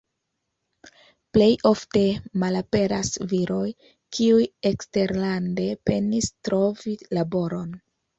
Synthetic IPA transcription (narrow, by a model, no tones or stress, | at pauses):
ple̞jo̞fte̞malape̞ɾasviɾo̞j | kʰiujekste̞ɾlande̞pe̞nistɾo̞vilabo̞ɾo̞n